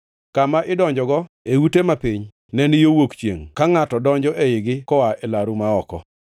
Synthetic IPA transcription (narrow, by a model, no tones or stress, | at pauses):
kamaʔɪdɔɲd͡ʒɔɡɔ | eutemapɪɲ | nɛnɪjowokt͡ʃjḛŋkaŋatɔdɔɲd͡ʒɔʔeɪɡɪkɔwaʔɛlaɾumaɔkɔ̰